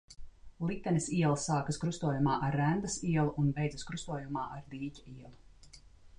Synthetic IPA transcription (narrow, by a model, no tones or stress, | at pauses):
lˠit̪ːɛnesiɛlˠsaːkaskɾust̪uɔjumaːʔaɾːænd̪ɐsiɛlˠuʔunbejdzɨskɾust̪uɔjumaːʔaɾd̪iːcʲḁiɛlˠu